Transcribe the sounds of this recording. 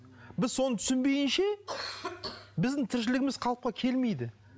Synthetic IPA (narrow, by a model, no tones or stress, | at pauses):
bɪzso̞nət̪ʰʏ̥sɪnbe̞jʲɪnʃe̞ | bɪzd̪ɪŋt̪ʰɪɾʃ̬ɪlɪɡʲɪmɪz̥qʰɑlˠəp̚qɑkʲʰe̞lme̞jd̪ɪ